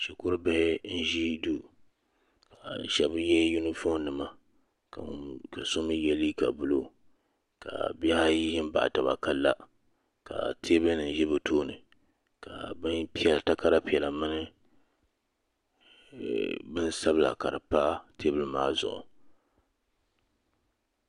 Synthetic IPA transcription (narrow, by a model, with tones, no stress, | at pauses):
ʃi˨kʊ˦ɾɨ˦bɪ˨hɪ˦n̩˦ʒi˦du˦ | ka˨n˨ʃɛ˦bjɛ˦ju˦nɨ˦fo˦nː˦ɨ˨ma˨ | ka˨sʊ˦mɨ˦jɛ˨li˦ka˨bʊ˨lo˦ | ka̰˨bɛ˦ha˦ji˦hɪ˦m˦ba̰˨ʔa̰˨ta˨ba̰˨ka˦lːa˦ | ka̰˨tʰe˦bɨ˦lnɨ˨ʒɛ˦bɨ˨tʰoː˦nɨ̰˨ | ka˨bɨ˦npi˦ɛ˨lta˦ka˦ɾa˦pi˨ɛ˨la˨mɨ˦nɨ˦ | bɨ˦nsa˦bɨ˦la̰˨ka˨ɾɨ˨pa˦tʰe˦bɨ˦lɨ˨˦maː˦zʊ̰˨ʔʊ̰˨